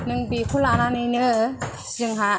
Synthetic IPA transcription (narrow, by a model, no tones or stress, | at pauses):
nɯŋbikʰulananɯjnɯ | z̥ɯŋɦa